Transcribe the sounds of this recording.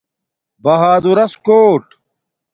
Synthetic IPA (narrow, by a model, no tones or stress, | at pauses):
bɐɦaːd̪uɾɐskoːʈ